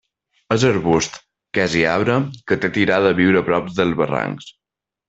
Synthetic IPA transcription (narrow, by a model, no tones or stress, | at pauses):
əzəɾβust̪ | kɛziaβɾəkət̪et̪iɾaðəβiwɾəpɾɔp̚ðəlˠzβəra̰ŋks